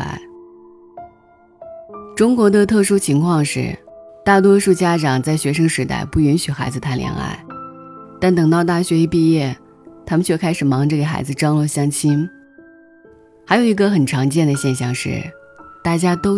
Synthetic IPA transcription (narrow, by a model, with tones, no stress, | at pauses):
a̰˧˥ɪ | ʈ͡ʂʊ˥ŋkwɔ˧˥d̪ə˧t̪ʰɤ˥˩ʂu˥t͡ɕʰi˧˥ŋkʰwɑ˥˧ŋʂɻ̩̰˥˩t̪a˥˩t̪̬wɔ˥ʂu˥˩t͡ɕja˥ʈ͡ʂɑ˨˩ŋt͡sa˥˩ɪɕɥɛ˧˥ʂɤ˥ŋʂɻ̩˧˥t̪a̰˥˧ɪpu˥˩y˧˥nɕy˨˩xa˧˥ɪd͡zɹ̩˧t̪ʰa˥˩nljɛ̰˧˥na̰˥˩ɪt̪a˥˩nt̪ɤ˨˩ŋt̪ɑ˥˧ʊt̪̬a˥˩ɕɥɛ˧˥i˧˥pi˥˧jɛ˥˩ | t̪ʰa˥mə˨nt͡ɕʰɔ˥˩kʰa˥ɪʂɻ̩˨˩mɑ˧˥ŋʈ͡ʂɤ˥˩ɡə˩xa̰˧˥ɪd͡zɹ̩˧ʈ͡ʂɑ˥ŋlə˥˧ɕjɑ˥ŋt͡ɕʰi˥n | xa˧˥ɪjʊi˧˥ɡə˧xə˨˩nʈ͡ʂʰɑ˧˥ŋt͡ɕjɛ˥˩nd̪ə˩ɕjɛ˥˧nɕ̬jɑ˥˧ŋʂɻ̩̰˥˩ | t̪a˥˩t͡ɕja˥t̪o˥ʊ